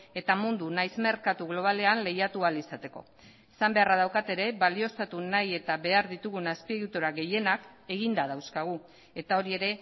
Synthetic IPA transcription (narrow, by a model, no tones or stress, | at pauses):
e̞t̪amund̪unajzme̞ɾkat̪uɣlo̞β̞ale̞anle̞jat̪ualisat̪e̞ko̞̰ | esambe̞arað̞awkat̪e̞ɾe̞βalio̞st̪at̪unaje̞t̪aβe̞aɾðit̪uɣunaspiɣut̪oɾaɣe̞je̞nake̞ɣind̪aðawskaɣ̞u | e̞t̪ao̞ɾie̞ɾe̞